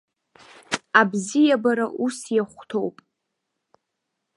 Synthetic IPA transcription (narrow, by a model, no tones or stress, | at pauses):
abzijabaɾaʔusjaχʷtʰowpʼ